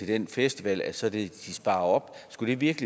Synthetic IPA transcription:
e̝d̥enfesd̥iʋɛ̰læsɒ̽d̥e̝d̥isb̥ɑ̈ːɐɒ̽b̥sɡ̥ud̥e̝ʋiɐɡ̥əli

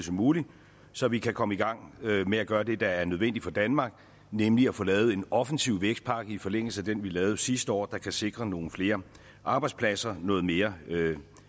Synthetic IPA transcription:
sɒmuːli | sɒ̽ʋikʰækʰɒ̽məiɡ̥ɑ̈ŋ̰meæɡ̥ɶːɐd̥e̝d̥ɑ̈æɐnøð̞ˠʋen̰d̥ifɒ̽d̥ænmɑ̈ːɡ̥ | nemliæfɔ̽ːlɛːʊð̞̩ˠe̝nɒ̽fən̩siʊ̰ʋeɡ̥sd̥̚pʰɑ̈ːɡ̥əifɒ̽leŋ̰l̩səæd̥enʋilɛːʊð̞̩ˠsisd̥əɒ̰ːd̥ɑ̈kʰæse̝ɡ̥ʁɐno̝ːn̩fle̝ːɐ | ʔɑ̈ːb̥ɑ̈ɪdspʰlæsɐnɔ̽ːð̞̩ˠme̝ːɐ

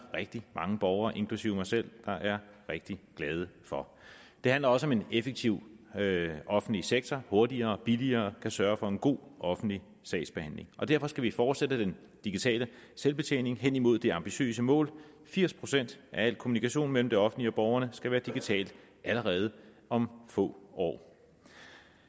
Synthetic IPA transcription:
ʁeɡ̥̚d̥imɑ̈ŋəb̥ɒʊɐːʔe̝ŋkʰlusiʊ̰mɑsel̰d̥ɑ̈ʔæɐʁeɡ̥̚d̥iɡ̥lɛːð̞ˠəfɒ̽ | d̥e̝hænlɐɒ̽səɒ̽menefeɡ̥̚t͡sʰiʊ̰ | ɒ̽fn̩dliseɡ̥̚t͡sʰɒho̝ɐdiɐːb̥iliɐːkʰæsɶːɐfɒ̽e̝nɡ̥o̝̰ːʔɒ̽fn̩dli | sɛ̰ɪsb̥ehæn̰le̝ŋʔɒ̽d̥æɐfɒ̽sɡ̥æʋifɒːd̥sed̥əd̥en | d̥iɡ̥it͡sʰɛ̰ːlə | selb̥e̝t͡sʰḛːne̝ŋɦen̰imo̝ð̞̰ˠd̥e̝ɑ̈mb̥iɕø̰ːsəmɔ̰̽ːl | fiɐ̰spʰʁo̝sen̰d̥ʔææl̰kʰo̝munikʰæɕo̝̰ːnmel̰m̩d̥e̝ɒ̽fn̩liɒ̽b̥ɒʊɐnəsɡ̥æʋæːɐd̥iɡ̥it͡sʰɛ̰ːld̥ | ʔæləʁɛːð̞ˠə | ʔɒ̽mfɔ̰̽ːʔɒ̰ː

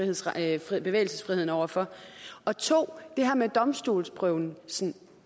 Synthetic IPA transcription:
iheð̰ˠb̥e̝ʋḛːɪlsəsfʁiheð̞̰ˠn̩ɒʊɐfɒ̽ɒ̽t͡sʰo̝̰ːd̥e̝ɦæɐmed̥ɒ̽msd̥ṵːlsb̥ʰʁœʊn̩sn

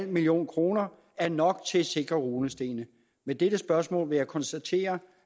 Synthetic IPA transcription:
l̰milio̝̰ːnkʰʁo̝ːnɐ | æɐnɒ̽ɡ̥̚t͡sʰe̝se̝ɡ̥ʁɐʁuːnəsd̥e̝̰ːnə | med̥eɾ̥əsb̥ɶɐsmɔ̰̽ːlʋe̝jɑ̈ɪkʰɒ̽nsd̥æt͡sʰe̝̰ːɐ

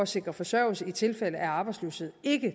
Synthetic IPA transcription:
ɒse̝ɡ̥ʁɐfɒ̽sɶɐ̰lsəit͡sʰe̝lfel̰əʔæɑ̈ːb̥ɑ̈ɪdsløːʊshe̝ð̰ˠe̝ɡ̥ə

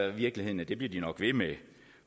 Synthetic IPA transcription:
ʋiɐɡ̥lihe̝ð̰ˠn̩æd̥e̝b̥liɐd̥inɒ̽ɡ̥ʋe̝me

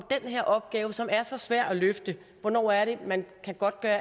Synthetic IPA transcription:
d̥enɦeɐ̰ʔɒ̽b̥ɡ̥ɛːʊəsɒ̽mæɐsɒ̽sʋæɐ̰d̥æløfd̥ə | ʋɒnɒ̰ːæɐɾe̝mænkʰæɡ̥ɒ̽d̥̚ɡ̥ɶːɐ

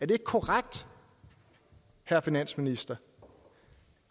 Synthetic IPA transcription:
æɐd̥e̝eɡ̥̚kʰoʁaɡ̥̚d̥ | hæɐ̰finæn̰sminisd̥ɐ

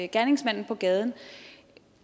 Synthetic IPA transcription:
ɡ̥æɐne̝ŋsmæn̰n̩pʰɒ̽ɡ̥ɛːð̞ˠn̩

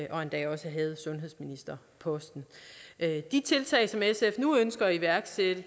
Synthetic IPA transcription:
ʔɒ̽e̝nd̥ɛ̰ːɒ̽səɦɛð̞̩ˠsɔ̽nɦe̝ð̞̰ˠsminisd̥ɐ | pʰɒ̽sd̥n̩ʔd̥it͡sʰe̝lt͡sʰɛ̰ɪsɒ̽mesefnuønsɡ̥ɐːiʋæɐɡ̥sed̥ə

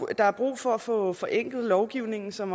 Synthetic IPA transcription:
d̥ɑ̈æɐb̥ʁṵːfɒ̽æfɔ̽ːfɒ̽ʔeŋ̰ɡ̥ð̩ˠlɒʊɡ̥iʊ̰ne̝ŋn̩sɒ̽m

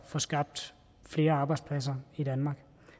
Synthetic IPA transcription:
fɒsɡ̥ɑ̈b̥̚d̥ | fle̝ːɐɑ̈ːb̥ɑ̈ɪdspʰlæs̬ɐid̥ænmɑ̈ːɡ̥

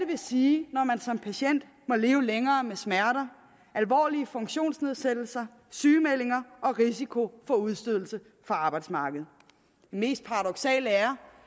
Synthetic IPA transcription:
dəʋe̝siːnɒmænsɒ̽mpʰæɕen̰d̥ | mɒ̽le̝ːʊəleŋɐːmesmæɐɾɐ | ʔælʋɒ̰ːliəfɔ̽ŋ̥ɕo̝̰ːnsne̝ð̞ˠsed̥l̩sɐ | syːmele̝ŋɐʔɒ̽ʁisikʰo̝fɒ̽uð̞ˠsd̥øð̰ˠl̩sə | fɒɑ̈ːb̥ɑ̈ɪd̥smɑ̈ːɡ̥əð̞̩ˠ | d̥eme̝̰ːsd̥̚pʰɑ̈ʁɑdɒ̽ɡ̥sɛ̰ːləæɐ

